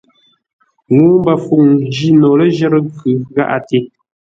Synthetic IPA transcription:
ŋu˦mba˨fu˨ŋd͡ʒi˦nɔ˨lə˦ʒɛ˦ɾə˦kʉ˨ɣa̰˦ʔa̰˨te˦

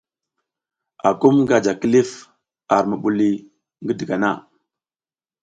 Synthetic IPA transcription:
a̰˨ku˦mɡa˨d͡ʒa˨ki˦li˦f | a˨ɾmu˨ɓu˨li˦ | ŋɡə˦di˨ɡa˨na̰˦˨

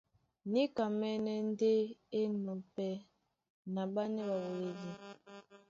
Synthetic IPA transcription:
ni˦ka˨mɛ˦nɛ˦n˦de˦e˦nɔ˨pɛ˦ | na˨ba˦nɛ˦ba˨wo˨we˨li˦

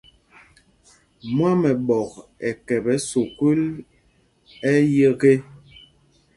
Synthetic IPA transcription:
mwa˦mɛ˨ɓɔ˨kɛ˨kɛ˨bɛ˨˦so˨ku˦l | ɛ˦je˦ɣe˦

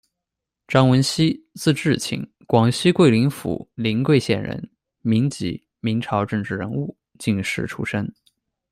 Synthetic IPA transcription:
ʈ͡ʂɑ˥ŋwə˧˥nɕi˥ | t͡sɹ̩˥˧ʈ͡ʂɻ̩˥˩t͡ɕʰḭ˨˩˦ŋ | kwɑ˨˩ŋɕi˥kwe˥˩ɪli˧˥ŋfṵ˨˩˦li˧˥ŋkwe˥˧ɪɕjɛ˥˩nɻə̰˧˥n | mi˧˥ŋt͡ɕḭ˧˥ | mi˧˥ŋʈ͡ʂʰɑ˧˥ʊʈ͡ʂɤ˥˧ŋʈ͡ʂɻ̩˥˩ɻə̰˧˥nu˥˧ | t͡ɕi˥˧ŋʂɻ̩˥˩ʈ͡ʂʰṵ˥ʂə˥ŋ

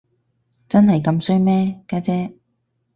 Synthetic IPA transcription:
t͡sɐ˥nɦɐ˨jkɐ˧msɵ˥ɥmɛː˥kaː˧˥t͡sɛː˥

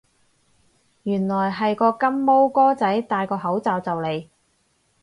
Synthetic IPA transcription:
jyː˨˩nlɔː˨˩jɦɐ˨jkɔː˧kɐ˥mːo˥wkɔː˥t͡sɐ˨˥jt̪aː˨˧jkɔː˧ɦɐ˨˥wt͡saː˨wt͡sɐ˨wle˨˩j

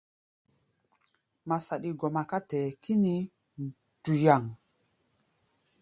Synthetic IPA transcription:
ma˨sa˨ɗi˨ɡɔ˨ma˨ka˦tɛː˨kʰi˦ni˦ | n˨ | tu˨ja˨ŋ

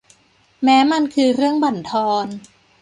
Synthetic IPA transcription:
mɛː˦˥ma˧nkʰɯː˧ɾɯ˥˩əŋba˨˩nt̪ʰɔː˧n

